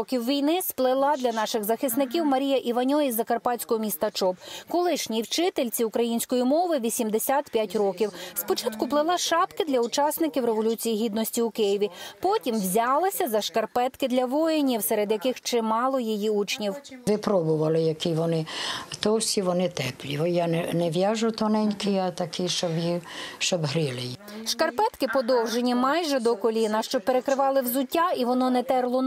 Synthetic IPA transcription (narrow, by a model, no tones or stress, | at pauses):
ɔkʲiwʋʲijnɪsplˠɪlˠɑd̪lʲɐnɑʃɪɣzɐxɪsnɪk̬ʲiwmɐɾʲijɐʔiʋɐnʲɔizːɐkɐrpɑt͡sʲkɔɦɔmʲist̪ɐt͡ʃɔbkɔlˠɪʃnʲiwt͡ʃɪt̪elʲt͡sʲiʊkɾɐjinʲsʲkɔjimɔʋɪʋʲisʲimd̪esʲat̪pʲjatʲrɔkʲiwspɔt͡ʃɑt̪kʊplˠɪlˠɑʃɑpkɪd̪lʲɐʊt͡ʃɑsnɪkʲiwɾeʋɔlʲut͡sʲijiɦʲid̪nɔsʲtʲiʊkɪjɪʋʲipɔtʲimʋzʲɑlˠɪsʲɐzɐʃkɐrpɛt̪kɪd̪lʲɐʋɔjenʲiwsɛɾed̪jɐkɪxt͡ʃɪmɑlˠɔjijiut͡ʃnʲiwʋɪpɾɔbʊʋɐlˠɪjɐkiʋɔnɪt̪ɔwsʲiʋɔnɪt̪ɛplʲiʋjanɛnɛʋʲjaʒʊt̪ɔnɛnʲkɪjɐt̪ɐkiʃt͡ʃɔbjiʃt͡ʃɔbɦɾilˠɪjʃkɐrpɛt̪kɪpɔd̪ɔwʒenʲimɑjʒɛd̪ɔkɔlʲinɐʃt͡ʃɔpeɾekɾɪʋɑlˠɪwzʊtʲːaiʋɔnɔnɛt̪ɛrlˠɔ